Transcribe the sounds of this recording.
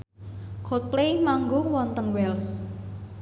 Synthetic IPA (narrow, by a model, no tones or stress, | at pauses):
kʰot̪̚plejmaŋɡowɔnt̪əŋwɛls